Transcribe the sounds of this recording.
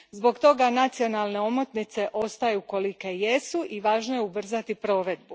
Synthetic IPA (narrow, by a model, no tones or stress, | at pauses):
zbo̞ɡt̪o̞ɡanat̪sio̞nalˠne̞o̞mo̞t̪nit̪se̞ʔo̞st̪ajuko̞likejesuʔiʋaːʒnojeubr̩zat̪ipɾo̞ːʋe̞d̪̚bu